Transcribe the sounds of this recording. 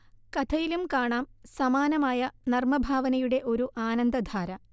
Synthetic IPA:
kɐt̪ʰɐjilumkaːɳaːmsɐmaːnɐmaːjɐnɐrmɐbʱaːʋɐnɐjuɽe̞ʔo̞ɾuʔaːnɐnd̪ɐd̪ʱaːɾɐ

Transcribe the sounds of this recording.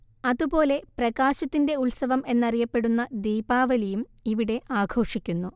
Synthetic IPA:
ɐðupo̞ːle̞prɐɡaːɕɐt̪ːinde̞ulsɐʋɐme̞nːɐrijɐpːe̞ɽunːɐd̪iːbaːʋɐlijumiʋiɽe̞ʔaːɡʰʱo̞ːrʂikʲːunːu

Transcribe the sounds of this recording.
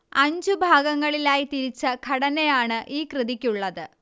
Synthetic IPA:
ɐɲd͡ʑubʱaːɡɐŋːɐɭilaːjit̪iɾit͡ɕːɐkʰɐɽɐnejaːɳɨʔiːkrɨðikʲːuɭːɐðɨ

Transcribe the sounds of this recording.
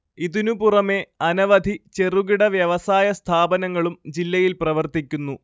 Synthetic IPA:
iðinupurɐme̞ɐnɐʋɐd̪ʱit͡ɕe̞ruɣiɽɐʋjɐʋɐsaːjɐst̪ʰaːbɐnɐŋːɐɭumd͡ʑilːɐjilprɐʋɐrt̪ikʲːunːu

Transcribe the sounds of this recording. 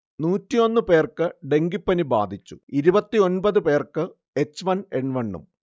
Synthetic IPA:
nuːtːijo̞nːɨpe̞ːrkɨɖe̞ŋɡipːɐniba̰ːd̪ʱit͡ɕːuiɾubɐt̪ːio̞nbɐðɨpe̞ːrkɨ | e̞t͡ɕːʋɐne̞ɳʋɐɳːṵm

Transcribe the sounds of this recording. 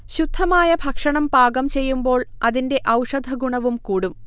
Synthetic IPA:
ɕud̪ʱːɐmaːjɐbʱɐkʂɐɳɐmbaːɡɐmt͡ɕe̞jːumbo̞ːɭɐðinde̞ʔɐwʂɐd̪ʱɐɡuɳɐʋumkuːɽum

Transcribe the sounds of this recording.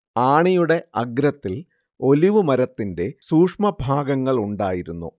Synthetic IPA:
aːɳijuɽe̞ɐɡɾɐt̪ːil | o̞liʋɨmɐɾɐt̪ːinde̞suːkʂmɐbʱaːɡɐŋːɐɭuɳɖaːjiɾunːṵ

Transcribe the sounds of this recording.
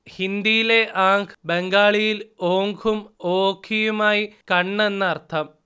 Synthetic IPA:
hind̪ijileʔaːŋkʰbeŋɡaːɭijiloːŋɡʰʱumoːkʰːijumaːjikɐɳːenːɐɐrt̪ʰɐm

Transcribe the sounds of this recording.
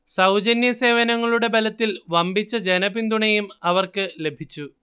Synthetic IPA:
sɐwd͡ʑɐnjɐse̞ːʋɐnɐŋːɐɭuɽe̞belɐt̪ːilʋɐmbʱit͡ɕːɐd͡ʑenɐbind̪uɳɐjumɐʋɐrkɨle̞bʱit͡ɕːu

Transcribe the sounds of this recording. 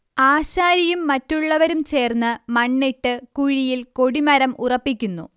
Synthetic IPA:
aːɕaːɾijumːɐtːuɭːɐʋɐɾumt͡ɕe̞ːrnːɨmɐɳːiʈːɨkuɻijilko̞ɽimɐɾɐmurɐpːikʲːunːṵ

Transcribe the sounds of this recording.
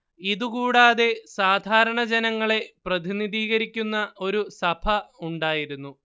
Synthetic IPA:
iðukuːɽaːðe̞saːd̪ʱaːɾɐɳɐd͡ʑenɐŋːɐɭe̞prɐðiniðiːɣɐɾikʲːunːɐo̞ɾusɐbʰɐuɳɖaːjiɾunːu

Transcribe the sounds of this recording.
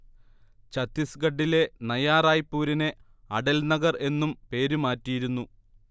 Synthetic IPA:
t͡ɕɐt̪ːisɡɐɖːile̞nɐjaːraːjpːuːɾine̞ | ɐɽɐlnɐɡɐre̞nːumpe̞ːɾumaːtːijiɾunːu

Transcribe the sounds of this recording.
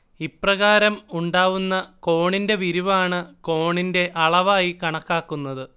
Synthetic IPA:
iprɐɣaːɾɐmuɳɖaːʋunːɐko̞ːɳinde̞ʋiɾuʋaːɳɨko̞ːɳinde̞ʔɐɭɐʋaːjikɐɳɐkːaːkːunːɐðɨ

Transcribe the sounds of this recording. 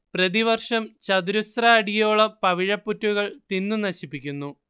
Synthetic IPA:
prɐðiʋɐrʂɐmt͡ɕɐd̪uɾusrɐːɽijoːɭɐpɐʋiɻɐpːutːuɣɐɭt̪inːunɐɕipːikʲːunːu

